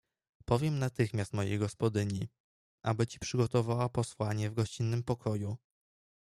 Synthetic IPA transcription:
pɔvʲjɛmnat̪ɘxmʲjast̪mɔjḛjɡɔspɔd̪ɘɲi | ʔabɘt͡ɕi̥pʂɘɡɔt̪ɔvawapɔswaɲɛvɡɔɕt͡ɕinːɘmpɔkʰɔju

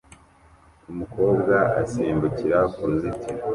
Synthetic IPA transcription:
umukʰo̞ːbɡaa̰siːmbuciɾakuːnzitʰi

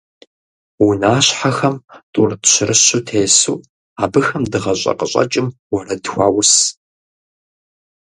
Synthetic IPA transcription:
wʊnaːɕħaxɐmtʼurtɕɪrɨɕʊtʰeːsuː | aːbɨxɐmdɨʁɐɕʷʼɐ̰qəɕʼɐ̰t͡ʃʼɪmwɔrɐdxʷaːwʊs

